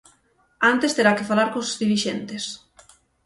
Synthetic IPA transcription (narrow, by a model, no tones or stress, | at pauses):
ant̪est̪eɾakɪfalaɾkoszðiɾiʃent̪es